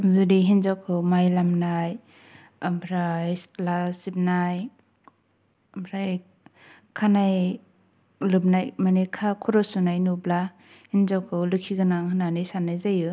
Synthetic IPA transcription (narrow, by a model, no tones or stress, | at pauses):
zudiɦinzawkʰɯwmajlamnaj | abʰɾajslasip̚naj | mbʰɾaj | kʰanaj | lɯp̚najmanekʰakʰɔɾɔsunajnubla | hinzawkʰɯwlɯkʰiɡɯnaŋhɯnanɯjsanajzajɯ